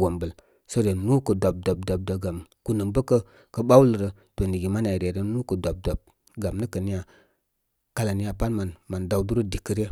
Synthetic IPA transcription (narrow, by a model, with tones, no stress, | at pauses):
wo˨mbə˨l | sə˦ɾe˨nu˦kə˨da˨b̚da˨b̚da˨b̚də˨ɡa˨m | ku˨nə˨mbə˦kə˦ | kə˦ɓa˦wlə˨ɾə˨ | to˨ni˨ɡi˨ma˦n˦a˨ɾe˨ɾe˨nu˦kə˨da˨b̚da˨b̚ | ɡa˨mnə˦kə˨ni˦ja˨ | ka˦la˨ni˦ja˨pa˦nma˨nma˨nda˨wdu˦ɾə˦di˨kːə˦ɾe˦